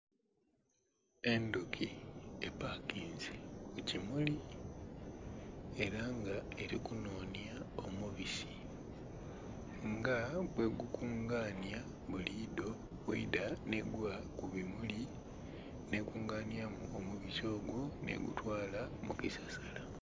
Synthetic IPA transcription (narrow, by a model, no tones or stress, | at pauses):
e̞ndukʰiepakiːnzekucimuli | e̞ɾaŋɡae̞ɾikuno̞ːnjaomuβisi̥ | ŋɡaβwe̞ɡukʰuːŋɡaːnja | βulido̞ | βwḛidane̞ɡwakuβimuli | ne̞kuːŋɡaːnjamuomuβiso̞ːɡwo̞nḛɡṵtwaːlamṵkisasala